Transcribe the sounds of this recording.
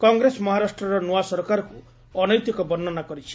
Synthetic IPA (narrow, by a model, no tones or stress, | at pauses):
kɔŋɡɾesɔmɔɦaɾasʈɾɔɾɔnuasɔɾɔkaɾɔku | ɔnɔjt̪ikɔbɔnːɔnakɔɾit͡ʃʰi̥